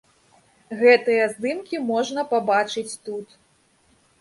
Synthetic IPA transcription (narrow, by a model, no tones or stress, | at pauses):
ɣɛt̪ɨjɐzd̪ɨmkʲimɔʐnɐpabat͡ʂɨt͡sʲt̪ut̪